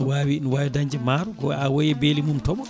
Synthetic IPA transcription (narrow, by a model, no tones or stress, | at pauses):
waːwiinwaːwidaɲd͡ʒɛmaɾɔɡɔawojɛbeːlimumtɔɓɔ